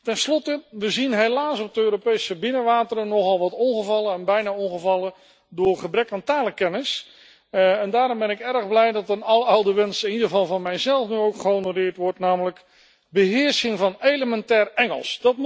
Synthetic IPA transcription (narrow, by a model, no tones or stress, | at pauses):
tɛnslɔtəʋəzinɦejlaːsɔp̚dəøːɾopejsəbɪnəʋaːtərənɔχɑlˠʋɑtɔnχəvɑlˠəɛnbɛjnaɔnχəvɑlˠə | dʊːɹχəbrɛkaːntaːləkɛnɪs | ɛndaːɾɔmbɛnɪkɛrəχblɛjdɑtənɑlˠəawdəʋɛnsɪnidəəvɑlˠvɑnmɛjzɛlˠfnyowkχəonorɪːɹtʋɔɹtnaːmələk | bəɦɪːɹsɪŋvɑnejləmɛntɛːrɛŋəlˠsdɑtm